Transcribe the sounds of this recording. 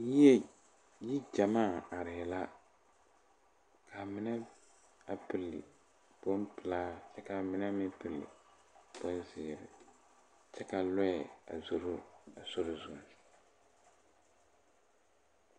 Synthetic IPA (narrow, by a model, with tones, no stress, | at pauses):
ji˦ɛ˦ | ji˦d͡ʒa˨maː˦˨a˨ɾɪ˨ɛ˨la˦ | ka˨mɪ˦nɛ˦ | a˨pɪ˨lːɪ˨ | b̥o˦npɪ˨laː˦t͡ʃɛ˦ka˨mɪ˦nɛ˦mɪ˦pɨ˨lːɪ̰˨ | b̥o˦nzɪ˨ɾɪ̰˨ | t͡ʃɛ˦ka˨lɔ˦ɛ˨a̰˨zo˦ɾʊ˦a˨so˦ɾʊ˦zʊ˨n